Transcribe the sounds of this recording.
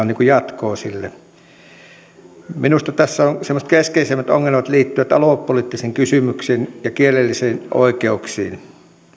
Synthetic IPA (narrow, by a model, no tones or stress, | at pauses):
oniːŋkujɑt̪koːsilːe | minust̪ɑt̪æsːæonsemːoset̪keskeisemːæt̪o̰ŋːelmɑt̪liːt̪ːyʋæt̪ɑ̰loˑpːolit̪ːiseŋkysymyksiːnjɑkielelːisiːnʔo̰ˑikeuksḭːn